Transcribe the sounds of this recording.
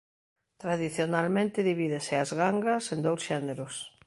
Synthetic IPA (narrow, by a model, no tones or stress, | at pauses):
t̪ɾaðiθjonalmẽnt̪ɪðiβiðesɪazɣaŋɡasend̪owsʃɛneɾʊs